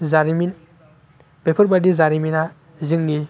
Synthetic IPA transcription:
zaɾimin | b̥epʰɯɾbadizaɾimina | zɯŋɡi

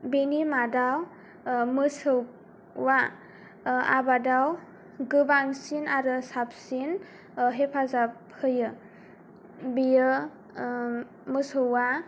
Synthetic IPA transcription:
benimadaw | mɯsɯwː | a | a̰badaw | ɡɯbaŋsinaɾɯsap̚sin | ɦepʰazap̚ | hɯjɯ | bijɯ | mɯsɯwa

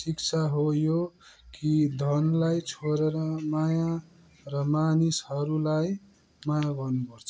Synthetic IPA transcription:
sik̚t͡sʰaɦojo | kid̪ʱʌnlajt͡sʰoɾeɾʌmaja | rʌmanisɦʌɾulaj | majaɡʌrnupʌrt͡sʰʌ̥

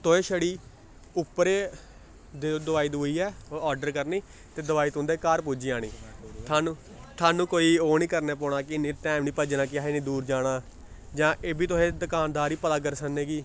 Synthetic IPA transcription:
t̪ʊẽːʃəɽiː | ʊpːɾeː | d̪d̪ʊʋaːiːd̪uːiːɛːɔːɾɖəɾkəɾniː | t̪eːd̪əʋaːiːt̪ʊ̃nd̪eːkaːɾpuːd͡ʒiːãːɽ̃iːt̪ʰaːnũː | t̪ʰaːnũːkoːiːoːnĩːkəɾnɛːpɔːɽ̃aːkɪɪnĩːʈɛːmnĩːpəd͡ʒnãːk̬ɪaːɦeːnĩːd̪uːɾd͡ʒaːɽaː | d͡ʒãːʔeːbiːt̪̬ʊẽːd̪əkaːnd̪aːɾiːpət̪aːk̬əɾsəneːɡiː

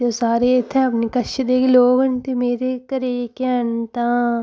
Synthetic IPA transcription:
d͡ʒoːsaːɾeɪt̪ʰɛ̃ɐpnikɐʃd̪ekeloːɡənt̪emeːɾekɐɾekant̪ã

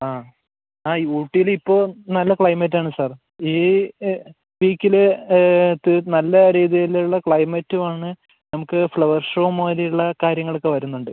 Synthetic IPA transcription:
aː | aːiuːʈːijilipːo̞ːnɐlːɐkɭɐjmɐtːaːɳɨsaːr | iː | ʋiːkʲːile | t̪ːɨnɐlːɐɾiːðijileuɭːɐkɭɐjmɐtːumaːɳɨ | nɐmukːɨfɭɐʋɐrʂroːmoːlijuɭːɐkaːɾjɐŋːɐɭokːeʋɐɾunːuɳɖɨ

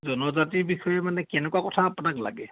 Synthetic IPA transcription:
zɔnɔzatiɹbixɔjɛmanɛkɛnɛkuwakɔtʰaːpʊnakla̰ɡɛ

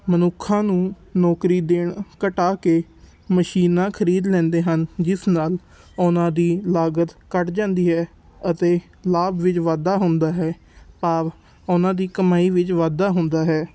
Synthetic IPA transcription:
mənʊkʰːãːnũː | nɔːkɾiːd̪eːɳkəʈaːkeː | məʃiːnãːkʰəɾiːd̪lɛ̃ːnd̪eːɦənd͡ʒɪsnaːl | ʊnãːd̪iːlaːɡət̪kəʈd͡ʒãːnd̪iːɦɛː | ət̪eː | laːbʋɪt͡ʃʋaːd̪aːɦʊnd̪aːɦɛː | paːʋ | ʊnãːd̪iːkəmaːiːʋɪt͡ʃʋaːd̪aːɦʊ̃nd̪aːɦɛː

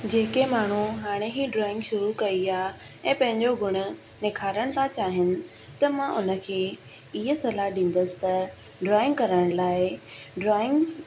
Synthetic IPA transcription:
d͡ʑeːkemaːɳ̤uɦaːɽ̃eɦiːɖɾɔːɪ̃ŋɡʃʊɾukɐiaː | ɛ̃ːpɐ̃ɦɪ̃ɲd͡ʑoɡʱʊɽ̃ʊ̆ | nɪkʰaːɾəɽ̃t̪ʰãt͡ɕaːɦɪnɪ̆ | t̪ɐmãʔʊnə̆kʰeː | ɪɦə̆sɐlaɦɗĩːn̆d̪əsɪ̥t̪ɐ | ɖɾɔːɪ̃ŋɡkɐɾəɽ̃laːɪ | ɖɾɔːɪ̃ŋɡ

